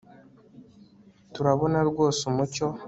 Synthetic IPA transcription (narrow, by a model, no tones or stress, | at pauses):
tuɾaβo̞naɾɡoːsumuco